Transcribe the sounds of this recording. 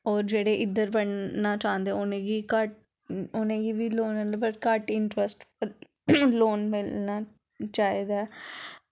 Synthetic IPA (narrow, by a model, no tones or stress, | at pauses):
ɔːɾd͡ʒeːɽeːʔɪd̪ːəɾbəɳnaːt͡ʃãːnd̪eːʊnẽːɡiːkəʈ̚ | ʊnẽːɡiːʋiːloːnd̪bəʈkəʈɪɳʈɾəsʈ | loːnmɪlnaː | t͡ʃaːiːd̪ɛː